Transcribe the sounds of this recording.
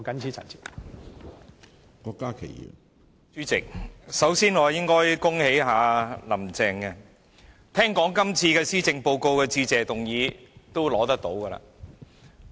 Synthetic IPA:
kɐ˨˥nt͡sʰiː˨˥t͡sʰɐ̰˨˩t͡sʰi̥˨˩ | kɔː˧kːaː˥kʰe˨˩jḭ˨˩ | t͡syː˥t͡sɪ˨k̚sɐ˨˥wsiː˥nŋɔː˨˧jɪ˥ŋkɔː˥jkʊ˥ŋhe˨˥jɦaː˨˧lɐ˨˩mt͡sɛː˧ŋkɛ˧ | t̪ʰɛː˥ŋkɔː˨˥ŋkɐ˥mt͡sʰiː˧kɛː˧siː˥t͡sɪ˧ŋpo˧wko˧wkɛː˧t͡siː˧t͡sɛː˨t̪ʊ˨ŋjiː˨˧t̪o˥wlɔː˨˥t̪ɐ˥k̚t̪o˨˥wkɐː˧la̰ː˧

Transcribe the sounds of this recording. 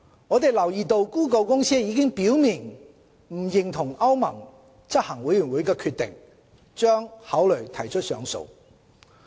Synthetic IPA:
ŋɔː˨˧t̪e˨jlɐ˨˩wjiː˨t̪o˧wkuː˥k̬o˧wkʊ˥ŋsiː˥jiː˨˧kɪ˥ŋpiː˨˥wmiː˨˩n | m̩˨˩jɪ˨˩ŋt̪ʰʊ˨˩ŋɐ˥wmɐ˨˩ŋ | t͡sɐ˥t̚hɐ˨˩ŋwu˨˥jy˨˩nwu˨˥jkɛː˧kʰyː˧t̪ɪ̰˨ŋ | t͡ʃœː˥ŋhɐ˨˥wlɵ˨˩ɥt̪ʰɐ˨˩jt͡ʃʰɵ˥t̚sœ̰ː˨˧ŋso̰˨˧w

